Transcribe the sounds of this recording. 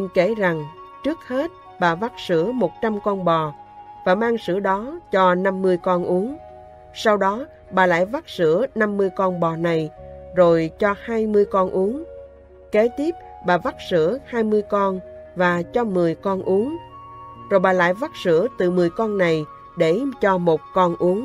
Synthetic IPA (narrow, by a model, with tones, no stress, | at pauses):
i˧˨nke˧˩za˨˩ŋt͡ɕɨ˦˥ək̚he˦˥t̚ | ɓaː˨˩va˦˥t̚sɨ̰˧˥əmo˨˩t̚t͡ɕa˧mkɔ˧nɓɔ˨˩ | vaː˨˩maː˧ŋsɨ̰˧˥əɗɔ˨˦t͡ɕɔ˧na˧mːɨ˧əjkɔ˧nʔu˨˦əŋ | sa˧wɗɔ˨˦ | ɓaː˨˩la̰ː˧˥˨jva˦˥t̚sɨ̰˧˥əna˧mːɨ˧əjkɔ˧nɓɔ˨˩na˨˩jzo˨˩jt͡ɕɔ˧haː˧jmɨ˧əjkɔ˧nʔu˨˦əŋ | ke˨˦t̪i˦˥əp̚ | ɓaː˨˩va˦˥t̚sɨ̰˧˥əhaː˧jmɨ˧əjkɔ˧nvaː˨˩t͡ɕɔ˧mɨ˨˩əjkɔ˧nʔu˨˦əŋ | zo˨˩jɓaː˨˩la̰ː˧˥˨jva˦˥t̚sɨ̰˧˥ət̪ɨ˨˩mɨ˨˩əjkɔ˧nːa˨˩j | ɗe˧˩t͡ɕɔ˧mo˨˩t̚kɔ˧nʔu˨˦əŋ